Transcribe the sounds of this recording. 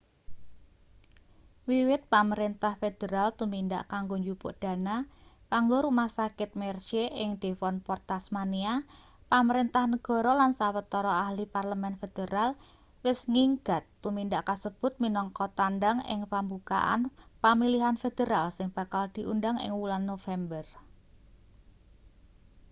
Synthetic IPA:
wiwɪt̪̚paməɾint̪ahfed̪̥eɾalt̪uminda̰ʔkaŋɡoɲd͡ʒupʊ̰ʔd̥a̤nakaŋɡoɾumahsakɪt̪̚mɛrʃeʔɪŋd̪̥e̤fɔnpɔrt̪asmania | paməɾint̪ahnəɡ̥ɔ̤ɾɔlansawət̪ɔɾɔahliparləmɛnfed̪̥eɾal | wɪsŋiŋɡ̥a̤t̪ːumindaʔkasəb̥ʊ̤t̪̚minɔŋkɔt̪andaŋɪ̰ŋpambuka̰ʔa̰npamiliɦanfed̪̥eɾalsɪŋb̥a̤kald̪̥i̤ʔundaŋɪ̰ŋwulanːofɛmbər

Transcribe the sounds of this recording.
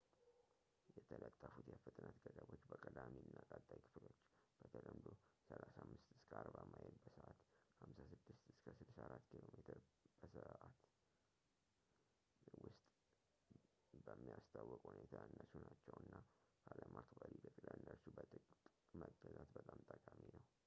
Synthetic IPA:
jɛt̪ʰələt̪ʼːəfut̪jɛfɨt̪ʼnat̪ɡəd̪əbot͡ʃːbəkʼəd̪amiɨnːakʼat̪ʼːajkʰɨ̥flo̞t͡ʃːb̥ət̪ʰəd̪əmd̪osəlasamːɨst̪ɨ̥skʰəaɾbamajɛlbəsəʔat̪hamsasɨd̪ːɨst̪ɨskʰəsɨd̪saɾat̪ːkʰilomet̪ʰɨɾb̥əsəʔat̪ | wʊst̪ʼ | bəmːijast̪ʰawːɔkʼhunet̪ʰanːəsunat͡ʃːɛwɨnːakʰaləmʔaɾt̪ʰbəlib̪əkʼɨlanːəɾʃubət̪ʼɨkʼkʼ | məɡəzat̪bət̪ʼamt̪ʼəkʼaminəw

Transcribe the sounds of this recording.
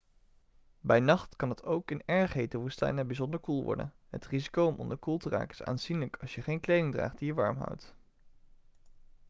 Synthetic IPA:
bɛjnɑχtkɑnɑtowkɪnɛɹχɦejtəʋustɛ̰jnəbizɔndəɹkulˠʋɔ̰ɹdə̰n | ɦətrizikowɔmʔɔ̰ndəɹkulˠtəra̰ːkənɪ̥sa̰ːnzinləkʰɑlˠsjəχejnklejdɪŋdra̰ːχt̚d̥ijəʋɑ̰ɹmɦʌ̰wt

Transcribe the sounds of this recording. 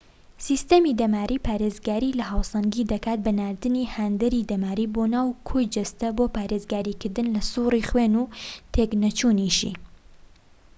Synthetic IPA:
siːst̪ɐmid̪ɐmaːɾʔiːpʰaːɾeːzɡaːɾiːlɐɦaːwsɐŋɡiːd̪ɐkaːt̪̚bɐnaːɾd̪ɨnihaːnd̪ɐɾid̪ɐmaːɾiːbonaːwkʰojd͡ʒɐst̪ɐbopaːɾeːzɡaːɾiːkɨɾd̪ɨnlɐsuriχweːnuːt̪ʰeknɐt͡ʃuːniʃḭ

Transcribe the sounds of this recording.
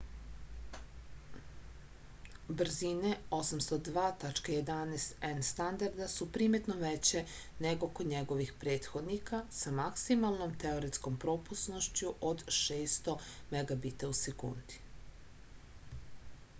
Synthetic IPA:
br̩zineo̞samst̪od̪ʋaːt̪at͡ʃkajed̪anest̪enst̪and̪aɾd̪asupɾiːmet̪noʋet͡ɕe | neɡokoɲeɡo̞ʋixpɾe̞ːt̪xod̪nikasamaksimalˠno̞mt̪eo̞ɾisko̞mpɾopusno̞ʃt͡ɕuʔod̪ʃeːst̪o̞meɡabit̪ausekṵnd̪̥i̥

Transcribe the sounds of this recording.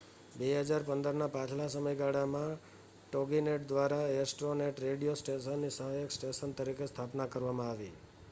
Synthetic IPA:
beɦəd͡ʒaɾpənd̪əɾnapãt͡ʃʰlas̬əməjɡaɽamã | ʈoɡineʈ̚d̪ʋaɾaesʈɾoneʈɾeɽijosʈeʃənːisəɦajəksʈeʃənt̪əɾikest̪ʰapnakəɾʋamãaʋḭ

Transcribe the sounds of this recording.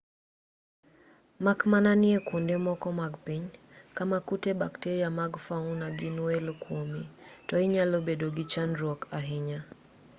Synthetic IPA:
makmananiɛkundɛmɔkɔmaɡpiɲ | kamakutɛbaktɛɾiamaɡfaunaɡinuɛlkwɔmitɔiɲalɔbɛdɔɡit͡ʃandɾɔkaɦiɲa

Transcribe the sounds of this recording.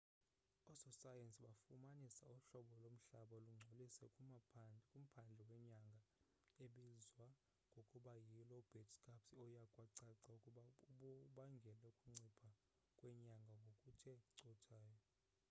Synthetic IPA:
ɔsɔsajensʼiɓafumanisauɬɔɓɔlom̩ɬaɓaluŋ͡ǀʱolisɛ | kʼum̩pʰand͡ɮʱɛwɛɲaŋɡʱa | eɓizwa | ŋɡʱokʼuɓajilɔub̥ʱɛtkʰʼapsiɔjakʼwaǀaǀaukʼuɓauɔɓaŋɡʱɛlokʼuŋ͡ǀipʰa | kʼwɛɲaŋɡʱaŋɡʱokʼutʰɛǀɔtʰaːjɔ

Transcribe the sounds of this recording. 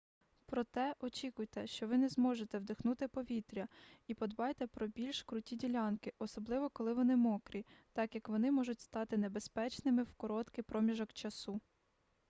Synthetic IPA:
pɾɔt̪ɛʔɔt͡ʃʲikʊjt̪ɛʃt͡ʃɔʋɪnɛzmɔʒet̪ɛwd̪ɪxnut̪ɪpɔʋʲit̪ɾʲɐipɔd̪bɑjt̪ɛpɾɔbʲilʲʃkɾʊtʲidʲilʲɑnkɪʔɔsɔblˠɪʋɔkɔlˠɪʋɔnɪmɔkɾʲit̪ɑkjɐkʋɔnɪmɔʒʊtʲst̪ɑt̪ɪnebespɛt͡ʃnɪmɪwkɔɾɔt̪kɪpɾɔmʲiʒɔkt͡ʃɐsu

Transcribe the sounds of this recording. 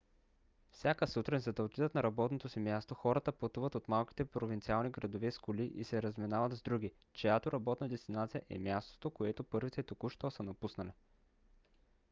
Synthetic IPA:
fsʲjakəsut̪ɾɛnzɐd̪ɐlt̪id̪ət̪nɐɾɐbɔt̪not̪osimjast̪oxɔɾət̪əpɐt̪uvət̪ot̪malˠkʲi̥t̪ɛpɾovint̪sialˠniɡɾɐd̪ovɛskʊliʔḭsɛɾɐzmɛnavət̪zd̪ɾuɡʲi | t͡ʃɛjat̪oɾɐbɔt̪nəd̪ɛst̪inat̪sijəʔɛ̰mʲjast̪o̥t̪okoɛt̪opɤɾvit̪ɛt̪okuʃt̪ɔsənɐpusnɐli

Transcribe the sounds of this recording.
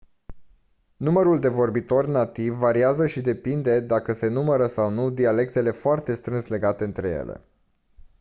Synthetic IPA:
numəɾuld̪e̞vo̞rbit̪o̞rʲnat̪ivːaɾiazəʃid̪e̞pind̪e̞d̪akəse̞numəɾəsawnud̪iale̞k̚t̪e̞le̞foart̪e̞st̪ɾɨnsle̞ɡat̪e̞ɨnt̪ɾe̞jḛlḛ

